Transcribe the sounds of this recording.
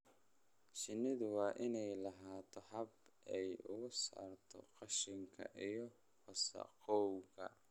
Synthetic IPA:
ʃɪnːɪðʊwɑːʔɪnɛjlɑɦaːt̪ʰɔhɐbɛjʊ̰ɣʊsa̰ːrt̪ʰɔ̰qɑʃɪŋkʰɐ̰ʔijɞ | wɐsɐ̰qɔwɣɐ̰

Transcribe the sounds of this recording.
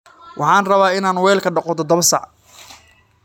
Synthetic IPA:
wʔɑħɑːnrɐβaːɪnaːnwɛːlkʰɐɖɑqɔt̪ʰɔd̪ɐβɐsɑ̰ʕ

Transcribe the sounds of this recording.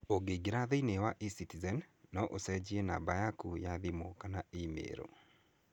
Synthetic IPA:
oɡeɡeɾaðeinewaʔisitizɛnːɔʔosɛd͡ʑiena̰bajakujaðimokanaemḛɾo̰

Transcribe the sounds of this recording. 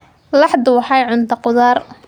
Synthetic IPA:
lɑħd̪ʊwɑħɑjʕʊnt̪ʰɐqʊðaːr

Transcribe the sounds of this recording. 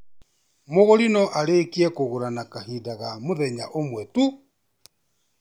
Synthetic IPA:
moɣoɾinɔʔaɾekiɛkoɣuɾanakahidaɣamoðɛɲaʔomwɛtu

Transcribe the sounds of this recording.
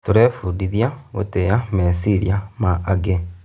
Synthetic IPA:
toɾefudiðjaβo̰tejamesiɾḭamaʔːɡe

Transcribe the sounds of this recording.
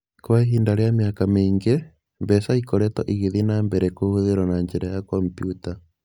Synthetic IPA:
kwaɦiːndaɾjamjakameːŋɡe | mbɛsaikɔɾɛtɔʔiɣiðinambɛɾɛkohuðeɾwanaɲd͡ʒeɾajakɔmpjuta

